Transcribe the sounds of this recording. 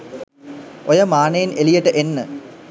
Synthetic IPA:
ojəmaːnɐjinelijəʈəʔenːə

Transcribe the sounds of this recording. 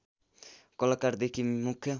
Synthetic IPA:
kɔlakaɾd̪ekʰimukʰːjʌ

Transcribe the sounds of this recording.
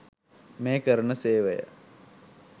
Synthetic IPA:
meːkəɾənəseːʋejə̰

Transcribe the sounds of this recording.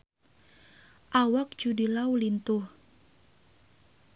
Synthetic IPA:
ʔawak̚d͡ʒudilawlint̪uh

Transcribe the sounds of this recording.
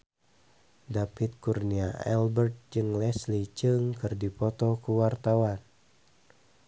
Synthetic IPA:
dapit̪̚kurniaʔɛ̰lbərt̪̚d͡ʒɨŋlɛslid͡ʒɨŋkɨrdipɔt̪ɔkuwart̪awan

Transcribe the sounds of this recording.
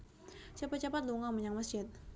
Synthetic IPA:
sapət͡ʃapat̪̚luŋaməɲaŋmasd͡ʒɪt̪̚

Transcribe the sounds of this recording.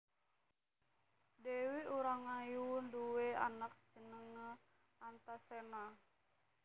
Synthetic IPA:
dɛwiuɾaŋajunduea̰nak̚t͡ʃənəŋə | ant̪asɛna

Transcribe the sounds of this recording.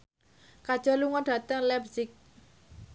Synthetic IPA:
kad̥ʒ̥ɔ̤luŋɔɖ̥ä̤t̪əŋlɛbzɪk̚

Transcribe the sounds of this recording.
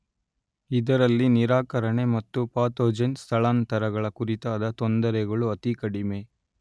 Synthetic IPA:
id̪ɐɾɐlːiniɾaːkɐɾɐɳe̞mɐt̪ːupaːt̪oːd͡ʒɐnst̪ʰɐɭaːnt̪ɐɾɐɡɐɭɐkuɾit̪aːd̪ɐt̪ond̪ɐɾɛɡɐɭuɐt̪ikɐɽime̞

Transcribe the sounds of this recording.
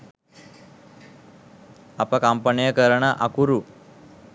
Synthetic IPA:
apakampənijəkəɾɳaʔakuɾu

